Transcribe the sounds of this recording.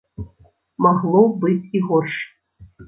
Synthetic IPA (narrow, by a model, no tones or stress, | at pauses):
maɣlˠobɨtʲiɣorʂ